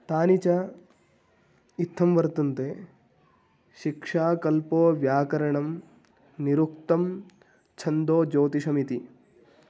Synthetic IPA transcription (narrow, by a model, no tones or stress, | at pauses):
t̪aːnit͡ʃɐ | it̪ʰːɐmʋɐɾt̪unt̪e | ʃikʂaːkɐlpoːʋjaːkɐɾɐɳɐm | niɾukt̪ɐm | t͡ʃʰɐnd̪oːd͡ʒoːt̪isɐmit̪i